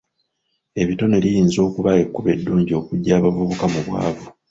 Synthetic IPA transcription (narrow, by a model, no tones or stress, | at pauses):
e̞βito̞ne̞lijiːnzo̞ːkuβae̞kːuβe̞dːuːɲɟio̞kuɟːaːβavuβukamuβwa̰ːvu